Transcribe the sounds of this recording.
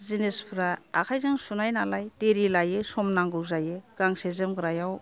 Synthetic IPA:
zinespʰɾaːkʰajzaŋsunajnalajdeɾilajɯsɔmnaŋɡɯwzajɯɡ̥aŋsezɯmɡɯɾajaw

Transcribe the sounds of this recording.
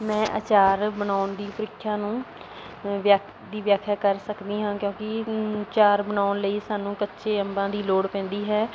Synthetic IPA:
mɛ̃ːʔə̰t͡ʃaːɾbənaːʊnd̪iːpəɾɪkʰːjãːnũː | ʋjaːk | d̪iːʋjaːkʰjaːkəɾsəkd̪iːɦãːkjõːkɪt͡ʃaːɾbənaːʊnləiːsaːnũːkətːʃʰeːəmbãːd̪iːloːɽpɛ̃ːnd̪iːɦɛː

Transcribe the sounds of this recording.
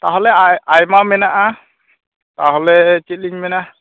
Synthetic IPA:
taɦɔlɛajajmamɛnaʔa | taɦɔlɛt͡ʃit̚liɲmɛna

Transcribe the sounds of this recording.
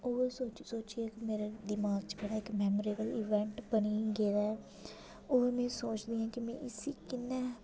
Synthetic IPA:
oːesoːt͡ʃsoːt͡ʃieːkimeːɾed̪ɪmaːɡ̚t͡ʃbəɽaːɪkmɛːmoɾeːbəliːʋɛ̃ɳʈbəniːɡeːɾaɛ | oːemɛ̃ːsoːt͡ʃd̪iːɛ̃ːkimɛ̰̃ʔɪsiːkɪnːɛː

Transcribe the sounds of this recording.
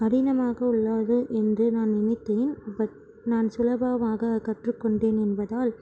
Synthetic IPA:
ɐɾɪnɐmaːɣɐʊɭːaːðɯʔɛndrɯnaːnnɪmɪt̪ːeːnpɐ | naːnsʊlɐbaːʋaːɣɐkɐʈrɯkːɔɳɖeːnɛnbɐðaːl

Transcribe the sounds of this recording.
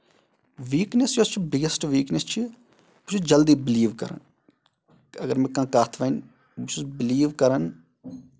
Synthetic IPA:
ʋiːknest͡ʃot͡ʃʰibɪɡəsʈʋiːknest͡ʃʰi | but͡ʃʰud͡ʒɐld̪iːbɪliːʋkɐɾə̰n | ɐɡəɾmẽːkãːkaːt̪ʰʋɐn | bʊt͡ʃʰizbɪliːʋkɐɾən

